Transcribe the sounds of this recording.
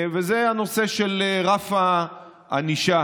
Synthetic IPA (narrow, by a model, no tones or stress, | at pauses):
vezeano̞seʃelʁafa | a̰niʃa